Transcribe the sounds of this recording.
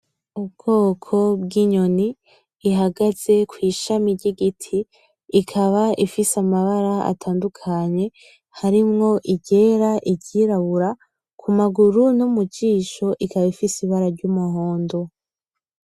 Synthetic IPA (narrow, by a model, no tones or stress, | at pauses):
ubɡ̥o̞ːkʰo̞bɡiɲo̞niː | ɦaɡaz̥e̞kwiːʃamiɾɟiɡitʰiː | kʰaβaifisamaβaɾaa̰tʰaːndukʰaɲe̞ | haɾimŋo̞ʔiɟe̞ːɾaʔiɟɟiɾaβuɾa | kʰumaɡuɾunumuɟiːʃo̞ʔikaβaifisiβaɾaɾɟumuhoːndo̞